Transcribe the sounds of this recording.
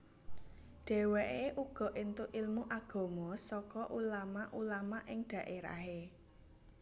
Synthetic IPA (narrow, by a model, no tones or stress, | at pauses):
ɖ̥ɛ̤weʔeʔuɡ̥ɔ̤ʔint̪uʔilmuʔaɡ̥ɔ̤mɔsɔkɔʔulamaʔulamaʔɪŋɖ̪̥ä̤ʔeɾa̰ɦe